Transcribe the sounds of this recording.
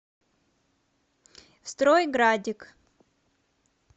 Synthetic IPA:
fst̪ɾojɡɾadʲɪk

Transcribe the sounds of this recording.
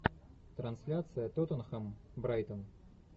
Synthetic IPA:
t̪ɾɐnsʲlʲat̪sɨjɐt̪ot̪ɔnxɐmbɾajt̪ɐm

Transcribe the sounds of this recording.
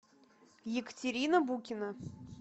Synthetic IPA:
jɪkə̥tʲɪɾʲinəbukʲɪnə

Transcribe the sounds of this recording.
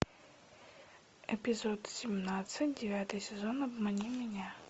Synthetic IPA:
ɛpʲɪzot̪sʲɪmnat̪sɨt̚ʲdʲɪvʲat̪ɨjsʲɪzo̞nɐbmɐnʲimʲɪnʲa

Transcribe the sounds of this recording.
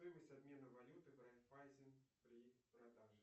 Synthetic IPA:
ojɪməsʲtʲad̪mʲe̞nəvɐlʲut̪ɨbɾat̪fajzʲɪnpɾʲipɾɐd̪aʐɨ

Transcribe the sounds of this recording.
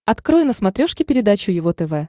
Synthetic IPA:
ɐt̪kɾojʊnəsmɐt̪ɾʲoʂkʲɪpʲɪɾʲɪd̪at͡ɕʊjɪvot̪ɛvɛ

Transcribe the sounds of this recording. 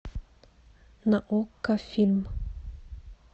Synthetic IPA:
naʔokːafilmə

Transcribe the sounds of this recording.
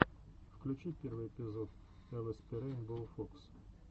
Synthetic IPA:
fklʲʉt͡ɕipʲervɨjɪpʲɪzot̪ | ɛlˠəspʲɪɾʲenʲbɨlˠfoks

